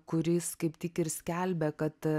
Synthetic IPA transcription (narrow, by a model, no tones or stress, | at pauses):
kʊɾʲɪskɐɪpt̪ʲɪkɪɾsʲkʲɛlʲbʲɛkɐt̪